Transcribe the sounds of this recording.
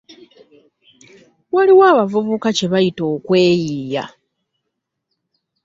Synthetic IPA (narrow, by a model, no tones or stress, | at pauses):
waliwaːβavuβukace̞βajito̞ːkwe̞ːjija̰